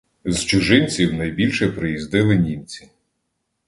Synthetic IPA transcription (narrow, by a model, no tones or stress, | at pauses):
zt͡ʃʊʒɪnʲt͡sʲiwnɐjbʲilʲʃɛpɾɪjizd̪ɪlˠɪnʲimt͡sʲi̥